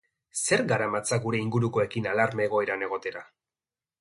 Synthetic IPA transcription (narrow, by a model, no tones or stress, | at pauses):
se̞ɾɡaɾamat͡saɡuɾe̞iŋɡuɾuko̞e̞kinalaɾme̞ɣ̞o̞e̞ɾane̞ɣ̞o̞t̪e̞ɾa